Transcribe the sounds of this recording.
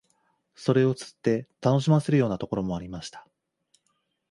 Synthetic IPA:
so̞ɾe̞o̞t͡sɨ̥t̪ːe̞t̪ano̞ɕ̬imase̞ɾɯ̟jo̞ːnat̪o̞ko̞ɾo̞mo̞aɾʲimaɕi̥t̪ḁ

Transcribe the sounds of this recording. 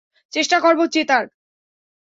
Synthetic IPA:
t͡ɕeʃʈakoɾbot͡ɕet̪aɾ

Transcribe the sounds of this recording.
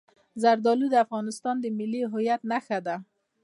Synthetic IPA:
zaɾd̪ɔlud̪əafɣɔnɪst̪ɑnd̪əmɪlːiɦʊjat̪naxad̪a

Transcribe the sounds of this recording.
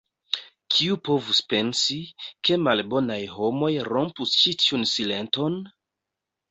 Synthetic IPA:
kʰiupo̞vuspe̞nsike̞malbo̞najho̞mo̞jɾo̞mpust͡ʃitiunsile̞nto̞n

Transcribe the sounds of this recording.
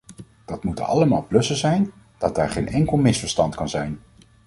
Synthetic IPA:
d̥ɑtmutə̰nɑ̰ləmaːlˠplɵsəzɛjn | d̥ɑd̚daːɹχejnɛŋkəlˠmɪsfəɹstɑntkɑnzɛjn

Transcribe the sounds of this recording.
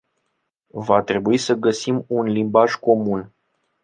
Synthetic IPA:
vat̪ɾe̞buisəɡəsimunlimbaʒko̞mun

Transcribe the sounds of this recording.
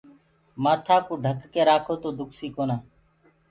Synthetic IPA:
maːt̪ʰaːkuːɖʱəkːeːɾaːkʰoːt̪oːd̪ʊksiːkoːnaː

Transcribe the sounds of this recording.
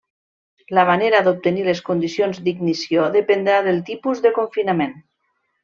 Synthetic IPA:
laβaneɾad̪op̚t̪ənileskund̪isionzd̪iɡnisioðəpənd̪ɾaðəlˠt̪ipuzðəkoɱfinamen

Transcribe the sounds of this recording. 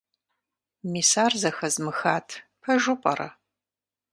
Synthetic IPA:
miːsaːrzɐxɐzmɨxaːtʰpʰɐʒʊpʼɐɾɐ̰

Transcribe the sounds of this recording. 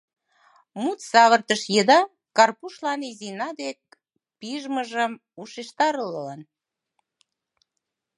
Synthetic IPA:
mut̪sɑβərt̪əʃjəd̪ɑ | kɑrpuʃlɑnizinɑd̪ek | piʒməʒəm | uʃeʃt̪ɑɾllɑn

